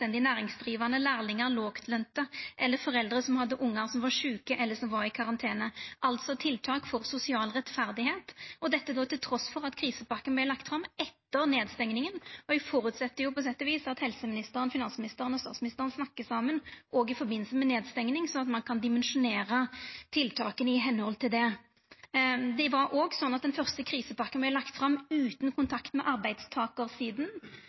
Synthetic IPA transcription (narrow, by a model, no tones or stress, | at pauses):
ɛnd̪ɪnæːɾɪŋsd̪ʁiːʋɑnəlæːʁlɪŋəɾloːkt̪ʰlœnt̪əʔɛlːəfɔʁɛld̪ʁəsɔmhɑd̪ːəʔʊŋːɑsɔmʋɑʂʉːkəʔɛlːəʂɔmʋɑɾɪkʰɑʁɑnt̪ʰeːnəʔɑlt̪sɔt̪ʰɪlt̪ʰɑːkfɔʁsʊsɪɑːlʁɛt̪fæʁd̪ɪheːt̪ɔd̪ɛt̪ːəd̪ɔt̪ɪlt̪ʰɾɔsfɔʁɑt̪kʰɾiːsəpɑkːənblɛɪlɑkt̪fɾɑmɛt̪ːəʁneːd̪st̪ɛŋnɪŋənɔɪfɔɾʉt̪sɛt̪ːəjʊpʰɔs̬ɛt̪ːɔʋiːsɑt̪hɛlsəmɪnɪst̪əɾənfɪnɑnsmɪnɪst̪əɾənɔst̪ɑːt̪smɪnɪst̪əʁənsnɑkːəsɑmːənʔɔɡɪfɔʁbɪnːlsəmɛneːd̪st̪ɛŋnɪŋsɔɑt̪mɑnkʰɑnd̪ɪmɛnʂʊneːʁət̪ʰɪlt̪ʰɑːkənɪɦɛnːhɔlt̪ʰɪld̪ɛ | d̪ɛʋɑɾʔɔːɡsɔnːɑt̪̚d̪ɛnfœʁst̪əkʰʁiːsəpɑkːənblɛɪlɑkt̪fʁɑmʉːt̪n̩kʰʊnt̪ʰɑkt̪mɛʔɑʁbæɪd̪st̪ʰɑːkəʁsiːd̪n̩